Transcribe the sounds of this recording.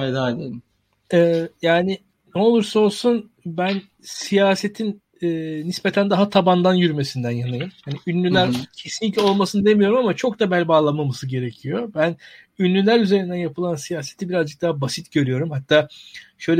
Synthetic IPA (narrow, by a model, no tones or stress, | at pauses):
ed̪alʲe | ɛːjaːnɪ | nɛo̞lˠuɾsao̞lˠsunbæn | sijaːse̞t̪ʰin | ɛːnispe̞t̪ʰænd̪aɦat̪ʰaband̪anjyɾyme̞sind̪ænjanajɯmhaniynːʲylʲæɾcʰe̞sinʲicʲo̞lˠmasɯnɯd̪e̞mijo̞ɾumamat͡ʃʰok̚d̪abælʲbaːlˠamamasɯɟe̞ɾe̞cʰijo̞bæn | ynːʲylʲæɾyze̞ɾind̪ænjapʰɯlˠansijaːse̞t̪ʰibiɾazd͡ʒɯk̚d̪aɦabasit̪ɟø̞ɾyjo̞ɾumhat̪ʰːaːʃø̞jlʲɛ